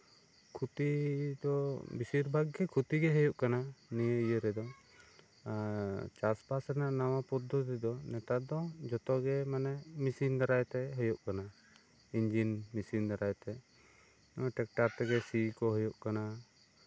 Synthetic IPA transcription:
kʰut̪id̪ɔbisiɾbʱaɡɡɛkʰut̪iɡɛɦəjuʔkananijəijəɾɛd̪ɔ | t͡ʃaspasɾnaʔnawapɔd̪ʱːɔt̪id̪ɔnɛt̪ad̪ɔd͡ʒɔt̪ɔɡɛmanɛmisind̪aɾajt̪ɛɦəjuʔkana | iɲd͡ʒinmisind̪aɾajt̪ɛ | ʈɛk̚ʈaɾt̪ɛɡɛsikɔɦɔjuʔkana

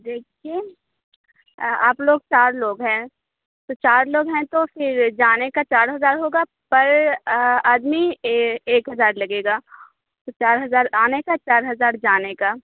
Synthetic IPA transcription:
d̪eːkʰieː | aːploːɡ̚t͡ʃaːɾloːɡɦɛ̃ː | t̪ot͡ʃaːɾloːɡɦɛ̃t̪ofʰɪɾd͡ʒaːnekat͡ʃaːɾɦɐzaːɾɦoːɡa | pɐɾ | aːd̪mieːkɦɐzaːɾlɐɡeːɡaː | t̪ot͡ʃaːɾɦɐzaːɾaːnekat͡ʃaːɾɦɐzaːɾd͡ʒaːnekaː

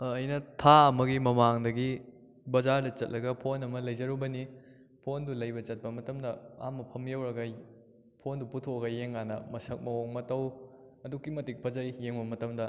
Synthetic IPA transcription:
jnɐtʰaɐmɐɡimɐmaŋdɐɡi | bɐzaɾdɐt͡ʃɐt̚lɐɡɐpʰonɐmɐlɐjzɐɾubɐni | pʰondulɐjbɐt͡ʃɐt̚pɐmɐtɐmdɐa̰mːɐpʰɐmjɐwɾɐɡɐ | pʰonduputʰoɡɐjeŋanɐ̰mɐsɐk̚mɐoŋmɐtɐw | ɐdukːimɐtik̚pʰɐzɐjːeŋbɐmɐtɐmdɐ

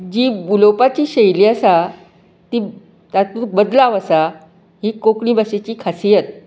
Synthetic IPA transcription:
d͡ʑiːbulowpat͡ɕiːɕəjliːəsa | t̪iː | t̪at̪uːk̚bəd̪laʋəsa | ɦiːkokɳĩːbaset͡ɕiːkʰasijət̪̚

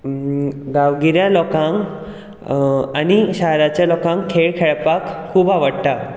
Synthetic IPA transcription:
ɡaʋɡiɾjalɔkãŋk | aniɕaɦjɾat͡ɕjalɔkãŋkʰːeɭkʰeɭpakʰːuːbaʋəɽt̪a

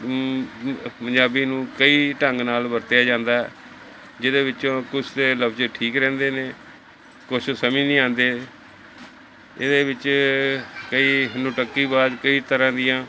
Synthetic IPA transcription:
pəɲd͡ʒaːbiːnũːkəiːʈəŋɡnaːlbəɾt̪ejaːd͡ʒãːnd̪aːɦɛ̰ː | d͡ʒɪd̪eːʋɪt͡ʃõːkʊsd̪eːləbd͡ʒeʈʰiːkɾɛ̃ːnd̪eːneː | kʊʃsəmĩːnĩːãːnd̪eː | ɪd̪eːʋɪt͡ʃ | kəiːɦɪnũːʈəkːiːbaːd̪kəiːt̪əɾãːd̪ɪjãː

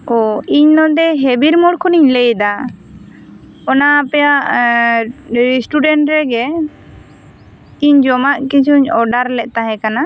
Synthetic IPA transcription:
ɔiɲnɔd̪ɛɦebiɾmɔɽkʰɔniɲlejd̪a | ɔnaːpɛjaʔ | ɾisʈuɖɛɳʈɾɛɡɛ | iɲd͡ʒɔmaʔkit͡ʃʰuɲɔɖaɾlɛʔˀt̪aɦɛ̃kana

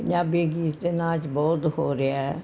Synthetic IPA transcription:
əɲd͡ʒaːbiːɡiːt̪enãːt͡ʃbɔːt̪hoːɾeaɛ

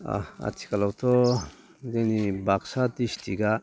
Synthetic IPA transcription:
a̰a̰tʰi̥kalawt̪ʰɔ | denibaksat̪istʰiɡa

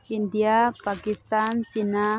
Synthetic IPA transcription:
ind̪japakist̪ansina

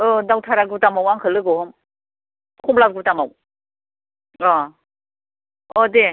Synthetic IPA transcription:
ɯdawtʰaɾaɡɯtamawaŋkʰɯlɯɡɯhɯm | kʰumlap̚ɡɯtamaw | ɔ | ɔde

